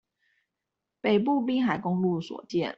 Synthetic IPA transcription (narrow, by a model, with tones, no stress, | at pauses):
pe˨˩ɪp̬u˥˩p̬i˥ŋxa˨˩ɪkʊ˥ŋlu˥˩swɔ̰˨˩t͡ɕjɛ˥˩n